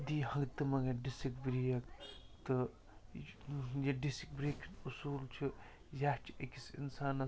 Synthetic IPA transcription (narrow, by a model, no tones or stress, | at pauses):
d̪ihɐ̃ŋɡt̪ɨmɐɡɐɖisikbɾijɐkt̪ɨ | jeɖisik̚bɾikʰinusuːlt͡ʃʰu | jaːt͡ʃʰiekisḭnsaːnɐ